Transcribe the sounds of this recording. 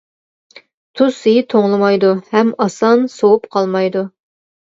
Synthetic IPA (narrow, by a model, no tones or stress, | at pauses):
t̪ʰusijit̪ʰoŋlˠɨmɑjd̪uhɛmɑsɑnsowupqʰɑlˠmɑjd̪u